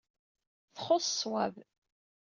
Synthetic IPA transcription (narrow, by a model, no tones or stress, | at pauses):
θχosswæv